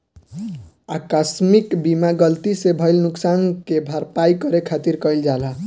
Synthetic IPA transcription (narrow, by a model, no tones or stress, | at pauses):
akasmikbimaɡəlt̪isebʱʌjlnuksankebʱaɾpajkʌɾekʰat̪iɾkəjld͡ʒalə